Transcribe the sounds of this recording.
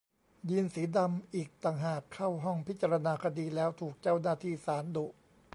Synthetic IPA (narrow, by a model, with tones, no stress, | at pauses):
ji˧nsiː˩˦da˧mʔiː˨˩k̚t̪aː˨˩ŋɦaː˨˩kʰːa˥˩wɦɔ˥˩ŋpʰi˦˥t̪̚t͡ɕa˧ɾa˧naː˧kʰa˧diː˧lɛː˦˥wt̪ʰuː˨˩k̚t͡ɕaː˥˩wnaː˥˩t̪ʰiː˥˩saː˩˦ndu˨˩